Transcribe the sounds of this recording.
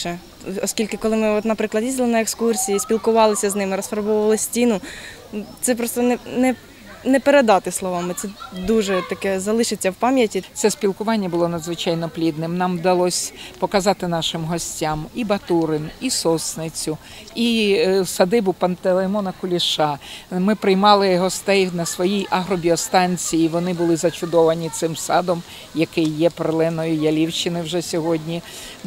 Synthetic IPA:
ɛ | ɔsʲkʲilʲkɪkɔlˠɪmɪɔt̪nɐpɾɪklˠɐd̪jizʲd̪ʲlˠɪnɐekskursʲijːisʲpʲilˠkʊʋɑlˠɪsʲɐznɪmɪɾɔsfɐɾbɔʋɐlˠɪsʲtʲinʊ | t̪sɛp̬ɾɔst̪ɔnɛnɛ | nɛpeɾed̪ɑt̪ɪslˠɔʋɑmɪt̪sɛd̪uʒɛt̪ɐkɛzɐlˠɪʃɪt͡sʲːɐwpɑmʲjɐtʲitsɛsʲpʲilˠkʊʋɑnʲːɐbʊlˠɔnɐd̪zʋɪt͡ʃɑjnɔplʲid̪nɪmnɑmd̪ɐlˠɔsʲpɔkɐzɑt̪ɪnɑʃɪmɦɔsʲtʲamibɐt̪uɾɪnisɔsnɪt͡sʲʊ | isɐd̪ɪbʊpɐnt̪elˠemɔnɐkʊlʲiʃɑmɪpɾɪjmɑlˠɪɦɔst̪ɛjnɐsʋɔjijʔɐɦɾɔbʲiɔst̪ɑnʲt͡sʲijiʋɔnɪbʊlˠɪzɐt͡ʃʊd̪ɔʋɐnʲit̪sɪmsɑd̪ɔm | jɐkɪjːɛpɾlˠɛnɔjʊjɐlʲiwʃt͡ʃːɪnɪwʒɛsʲɔɦɔdʲnʲi

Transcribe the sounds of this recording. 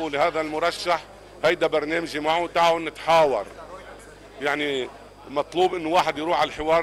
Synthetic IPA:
lɪhaːðalmʊɾˤɑʃːaħ | hajd̪abɑɾˤneːmʒimaʕut̪aʕwnːɪt̪ħaːwɑ̰ɾˤ | jaʕni | mɑt̪ˤluːbʔɪnːʊwaːħɪd̪jɾuːħalħɪwɑːɾˤ

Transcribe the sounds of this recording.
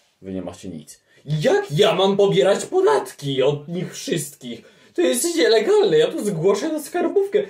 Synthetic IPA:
vɘɲɛ̰ma̰t͡ɕɛɲḭt̪s | jakjamampɔbʲjɛɾat͡ɕpɔd̪at̪kʲiɔd̪ɲixfʂɘst̪kʲix | t̪ɔjɛst̪ɲɛlɛɡalnɛjat̪uzɡwɔʂɛt̪askaɾbufkɛ

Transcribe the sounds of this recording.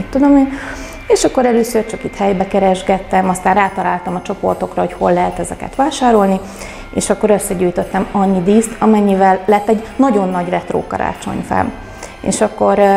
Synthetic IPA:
t̪ːud̪o̞meːn | eːʃɒkːo̞ɾɛløːsørt͡ʃɒkit̪hɛjbɛkɛɾɛʒɡɛt̪ːɛmɒst̪aːnraːt̪ɒlaːlt̪ɒmɒt͡ʃo̞po̞̰rt̪o̞krɒho̞cho̞lːɛɦɛt̪ɛzɛkɛ̰t̪ʋaːʃaːɾo̞lni | ḛːʃɒkːo̞ɾø̞sːɛɟuːjt̪ot̪ːɛmɒɲːid̪iːst̪ɒmɛɲːivɛlːɛt̪ːɛɟnɒɟo̞nːɒɟrɛt̪ro̰ːkɒ̰ɾa̰ːt͡ʃo̞̰ɲfɛ̰m | ḛːʃɒkːo̞ɾ

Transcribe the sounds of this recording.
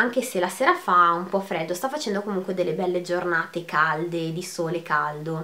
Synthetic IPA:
aŋk̟eselaseːɾafaumpɔfɾɛd̪ːost̪afːat͡ʃɛnd̪okomuŋkwed̪elːebɛlːed͡ʒornaːt̪ekald̪ed̪isoːlekald̪o

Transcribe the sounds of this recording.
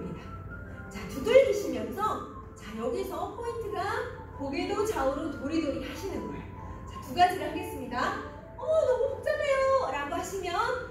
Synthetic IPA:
mɲida | t͡ɕatuɡɯɭd͡ʑɯɕʰimjʌnsʰʌ | t͡ɕajʌɡisʰʌpʰointʰɯɡa | koɡe̞dot͡ɕaɯɾotoɾidɯɾiɦaɕʰinɯnɡʌ̰j | t͡ɕatuɡad͡ʑiɾaŋɡe̞s͈ɯmɲida | ʌnʌmohok̚t͡ɕ͈ʌŋe̞joɾaɡoɦaɕʰimjʌn

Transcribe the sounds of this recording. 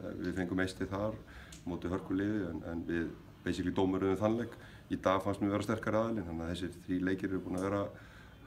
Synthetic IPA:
vɪ̰ðfejŋkʏmejst̪ɪθaɾ | moːwt̪ɪɦœr̥kʏlɪːðɪɛnɛ̰nvɪð | pejsɪklit̪oːwmɛɾʏðʏmθanlɛk | it̪aːɣfanst̪mɛvɛːɾast̪ɛr̥kaɾɪaðɪlɪnhanːaθɛs̬ːɪɾ̥θɾiːleːjcɪɾɛɾʏpuːnavɛːɾa

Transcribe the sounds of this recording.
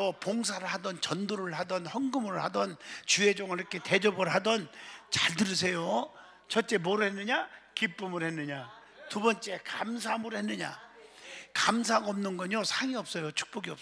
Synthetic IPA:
ʌpoŋs̬ʰaɾɯɭhadʌnt͡ɕʌndoɾɯɭhadʌnhʌnɡɯmɯɭhadʌnt͡ɕue̞d͡ʑʌŋɯɭiʌkʰe̞te̞d͡ʑʌbɯɭɦadʌnt͡ɕaɭdɯɾɯs̬ʰe̞jo | t͡ɕʰʌt̚t͡ɕ͈e̞mʌɾɯɭhenːɯɲakip͈ɯmɯɾhenːɯɲa | tubʌnt͡ɕ͈e̞kamsʰamɯɾhenːɯɲa̰ | kamsʰaɡaʌmnɯnɡʌɲosʰaŋiʌp̚s͈ʌjot͡ɕʰu̥k̚p͈oɡiʌp̚

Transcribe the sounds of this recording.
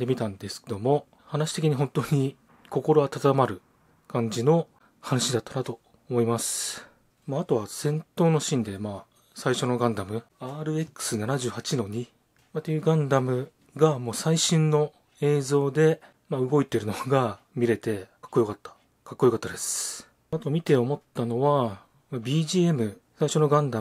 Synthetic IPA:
d̪e̞mʲit̪ãnd̪e̞sɨ̥ked̪o̞mo̞ | hanaɕi̥t̪e̞kʲiɲ̟iɦõ̞nt̪o̞ɲ̟i | ko̞ko̞ɾo̞ɡat̪at̪amaɾɯ̟ | kãɲ̟d͡ʑino̞ | hanaɕid̪at̪ːanat̪o̞ː | mo̞imasɨ̥ | maːt̪o̞βasẽ̞nt̪o̞ːno̞ɕĩnd̪e̞maː | saiɕo̞no̞ɡãnd̪amɯ̟ | aːɾɯ̟e̞kːɯ̥sɨnanaʑɨːhat͡ɕino̞ɲ̟i | mat̪ːejɯ̟ɡãnd̪amɯ̟ | ɡamo̞ːsaiɕĩnːo̞ | e̞ːzo̞ːd̪e̞ | maɯ̟ɡo̞it̪e̞ɾɯ̟no̞ɡa | mʲiɾe̞t̪e̞kḁkːojokat̪ːḁ | kakːojokat̪ːad̪e̞sɨ̥ | at̪o̞mʲit̪e̞o̞mo̞t̪ːano̞βa | mabʲiːʑiːe̞mɯ̟ | saiɕo̞no̞ɡãnd̪a

